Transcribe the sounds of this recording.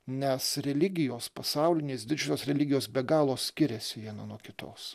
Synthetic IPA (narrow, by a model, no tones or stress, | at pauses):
nʲɛsɾʲɛlʲɪɡʲɪjoːspɐsɑˑʊlʲɪnʲeːsd̪ʲɪd͡ʒʲʊsʲoːsɾʲɛlʲɪɡʲɪjoːsbʲɛɡɑːlˠoːsʲkʲɪɾʲɛsʲɪʋʲiɛnɐnuɔkʲɪt̪o̰ːs